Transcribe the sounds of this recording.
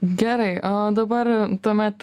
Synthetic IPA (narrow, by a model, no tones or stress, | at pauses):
ɡʲɛɾɐɪoːd̪ɐbɐɾt̪uɔmʲɛt̪